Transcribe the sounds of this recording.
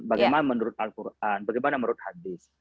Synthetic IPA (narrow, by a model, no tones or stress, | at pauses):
baɡajmanamənuɾut̪̚alkuɾʔanbaɡajmanamənɾut̪had̪is